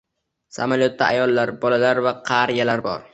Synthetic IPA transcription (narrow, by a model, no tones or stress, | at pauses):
sa̰maljot̪ːaajɒlˠːaɾbɒlalaɾvaqʰɑɾjalaɾbɒ̰ɾ